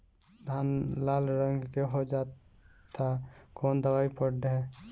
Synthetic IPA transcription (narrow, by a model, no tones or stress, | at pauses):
d̪ʱanlalɾəŋɡkeɦod͡ʒat̪ʰakoːnd̪əwaːipəɖɦɛ